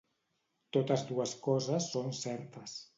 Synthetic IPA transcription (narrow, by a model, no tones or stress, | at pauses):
t̪ot̪əzðuəskɔzəsːonsɛɾt̪əs